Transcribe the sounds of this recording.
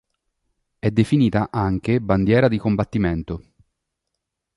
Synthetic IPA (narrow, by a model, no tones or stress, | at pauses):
ɛd̪ːefiniːt̪aʔaŋk̟eband̪jɛːɾad̪ikombat̪ːiment̪o